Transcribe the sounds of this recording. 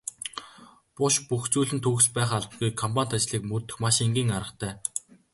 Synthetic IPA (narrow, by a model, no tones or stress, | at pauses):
pʊʃpuxt͡suːɮɘ̆nt̪ʰuːxspæːχaɮ̚ɡujkʰːɔmpan̥ʲt̪at͡ɕɮiːkmɵt̪ɵ̆xmaʃiŋɡʲiːŋaɾə̆χt̪ʰæː